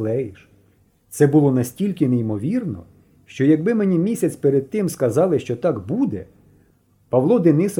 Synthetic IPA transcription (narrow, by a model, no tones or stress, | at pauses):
lɛjiʃ | t̪sɛbʊlˠɔnɐsʲtʲilʲkɪneimɔʋʲirnɔ̰ | ʃt͡ʃɔjɐɡ̚bɪmenʲimʲisʲɐt͡sʲpeɾed̪̚t̪ɪmskɐzɑlˠɪʃt͡ʃɔt̪ɑkbud̪ɛ | pɐʋlˠɔd̪ɪnɪs